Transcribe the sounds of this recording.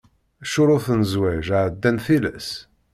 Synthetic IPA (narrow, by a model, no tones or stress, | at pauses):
æʃʊɾˤʊθnzwæʒʕd̪ːænθilæ̰s